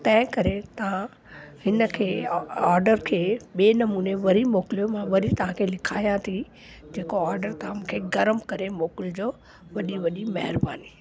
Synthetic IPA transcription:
t̪ɐ̃ɦɪ̃kɐɾet̪ɐʋ̤ã | hɪnə̆kʰeːaːɾɖəɾkʰeːɓeːnɐmuːneʋɐɾimoːkɪlijomãʋɐɾit̪ɐʋ̤ãkʰeːlɪkʰaːijãt̪ʰi | d͡ʑeːkoaːɾɖəɾt̪ɐãmũkʰeːɡɐɾəmkɐɾemoːkɪld͡ʑoː | ʋɐɗiʋɐɗimɐɦɪɾbaːni

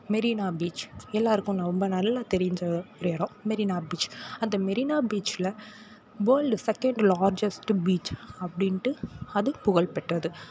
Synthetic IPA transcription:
mɛɾiːnaːbiːt͡ʃɛlːaːɾɯkːʊ̃nãːɾɔmbɐnɐlːãːt̪ɛɾɪjɲd͡ʒɐɾeɾõːmɛɾiːnaːbiːt͡ʃɐnd̪ɐmɛɾiːnaːbiːt͡ʃlɐ | boːlɖsɛkɛɳɖlaːɾd͡ʒɛsʈbiːt͡ʃɐpːɐɽɪnʈːɯɐðɯpʊɣɐɭpɛʈːɐðɯ

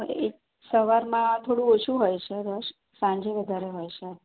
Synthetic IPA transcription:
ḛk | səʋaɾmãt̪ʰoɽũot͡ʃʰũɦojt͡ʃʰeɾəʃ | sãɲd͡ʒeʋəd̪ʱaɾeɦojt͡ʃʰe

